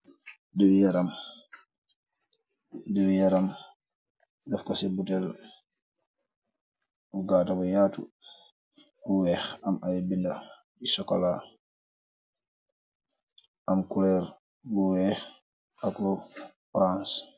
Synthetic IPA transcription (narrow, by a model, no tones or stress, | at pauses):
dəwjaɾam | dɛwjaɾam | dɛfkɔsɛbutɛl | uɡaːtabɔjatṵ | buwɛxamʔajbinda | isɔkɔla | ʔamkulɛɾ | buwɛx | aklufɾãns